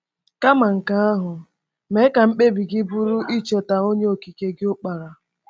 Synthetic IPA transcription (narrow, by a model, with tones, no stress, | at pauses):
ka˦ma˨ŋ̩˨ka˨˦a˦ɦʊ˨ | me˨˦ka˨m̩˦k͡pe˦bi˨ɡɪ˦bu˦ɾu˦ʔi˦t͡ʃe˨ta˨o˦ɲe˦o˨ki˨ke˦ɡɪ˦ʊ˦k͡pa˨ɾa˨